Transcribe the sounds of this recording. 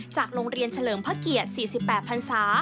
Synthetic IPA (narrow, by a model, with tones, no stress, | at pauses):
t͡ɕaː˨˩k̚ɾoː˧ŋɾi˧ənt͡ɕʰa˧lɤː˩˦mpʰaː˦˥ki˨˩ət̪̚siː˨˩si˨˩pːɛː˨˩t̪̚pʰa˧nsaː˩˦